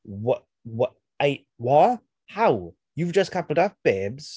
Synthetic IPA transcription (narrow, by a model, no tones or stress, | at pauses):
wɔ | wɔ | aɪ | wa | haʊ | juvd͡ʒʌskʰapəl̩ˠdaf̚b̥ɛbz̥